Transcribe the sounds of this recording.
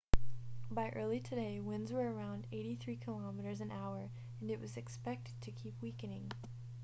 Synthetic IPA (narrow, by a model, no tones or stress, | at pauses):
baɪʔɜ˞lˠitʰɨdeɪwɪ̃nzwə˞ə˞ãʊ̃ndeɪɾiθɹikʰəlɑmɨɾə˞zɨ̃naʊə˞ | ɨ̃nɨʔ̚wʌzɨkspɛk̚tɨd̚tʰɨkʰipʰwikɨ̃nɪ̃ŋ